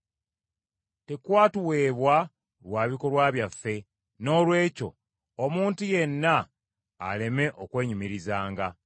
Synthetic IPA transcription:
te̞kwaːtuwe̞ːβwa | lwaːβiko̞lwaːβjafːe̞ | no̞ːlwe̞ːco̞̰ | omuːntuje̞nːa̰ː | le̞me̞ʔo̞kwe̞ːɲumiɾizaːŋɡa

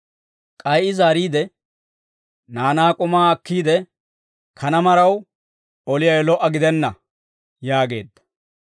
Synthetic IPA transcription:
kʼɐjʔɪzaːɾiːd̪ɛ | naːnaːkʼʊmaːɐkːiːd̪ɛ | kʰɐnɐmɐɾɐw | ɔlɪjɐjlɔʔːɐɡɪd̪ɛnːɐ | jaːɡe̞̰ːd̪ːɐ̥

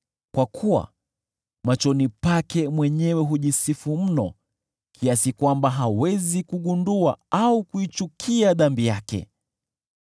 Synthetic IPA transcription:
kwakʰuwa̰ | mat͡ʃɔnipakɛmwɛɲɛwɛɦuʄisifum̩nɔ | kʰiasikwambaɦawɛzikuɠunduaaukuit͡ʃukʰiaðambijakɛ̰

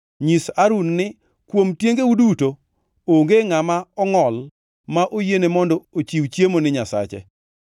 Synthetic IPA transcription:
ɲisaɾunːɪ | kwomtjeŋɡeuduto | oŋɡeŋamaɔŋɔl | maʔojenemɔndɔot͡ʃiwt͡ʃjemonɪɲasa̰t͡ʃɛ̰

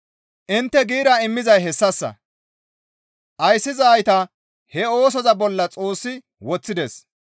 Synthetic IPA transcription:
ʔɪnt̪ːɛɡiːɾɐɪmːɪzɐjɦɛsːɐsːɐ̰ | ʔɐjsːɪzɐːjt̪ɐ | hɛo̞ːs̬ɔzɐbɔlːɐt͡sʼo̞ːsːɪ | wɔt͡sːɪd̪ɛs

